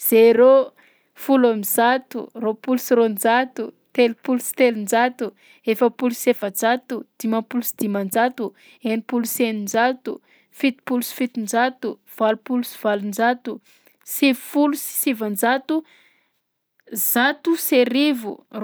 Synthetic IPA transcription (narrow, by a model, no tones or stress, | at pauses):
z̥eɾo | fulamizat̪ṵropulusiɾond͡ʒat̪ut̪elipulusi̥t̪elind͡ʒat̪u | efəpulusevənd͡ʒat̪ud̪̥imapulusid̪̥imand͡ʒat̪u | enipulusenind͡ʒat̪u | fit̪i̥pulusi̥fit̪ind͡ʒat̪u | v̥alupulusi̥valund͡ʒat̪u | sivfulusi̥sivand͡ʒat̪u | z̥at̪useɾivṵr